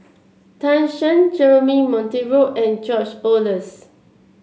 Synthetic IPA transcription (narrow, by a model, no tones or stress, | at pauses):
tãnʃə̃nd͡ʒɛɹəmimɔ̃nteɹoʔɛ̃nd͡ʒɔt͡ʃoləs